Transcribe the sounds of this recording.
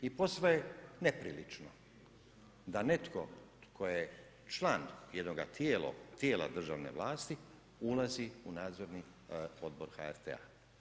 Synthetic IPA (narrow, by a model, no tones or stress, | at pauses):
ipo̞sʋojenepɾḭlit͡ʃno | d̪ane̞t̪ko̞ | kʰo̞je | t͡ʃlˠaːnjed̪noɡat̪jeːlo̰t̪jeːla̰d̪r̩ʒaʋne̞̰ʋlˠaːst̪i | ulaziunaːd̪zo̞ɾni | o̞d̪̚bo̞ɾxa̰eɾt̪ḛa̰